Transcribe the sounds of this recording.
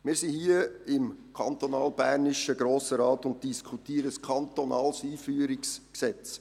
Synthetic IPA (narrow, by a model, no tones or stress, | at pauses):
mɪːɾsihiːəɪmkʰɑnt̪ɔnɑːlb̥æːɾnɪʃəɡɾoːsəɾɑːtʊnt̚d̥iskʰutiːəɾəskʰɑnt̪ɔnɑːlsiːfyːəɾɪksksɛt͡s